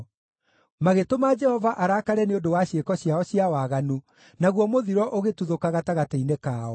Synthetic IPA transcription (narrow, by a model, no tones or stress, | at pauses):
maɣetomad͡ʒɛhɔvaʔaɾaːkaɾɛneondowaɕekɔɕiaɔɕjawaɣanu | naɣwɔmoðiɾwɔʔoɣetuðokaɣataɣateinekaːɔ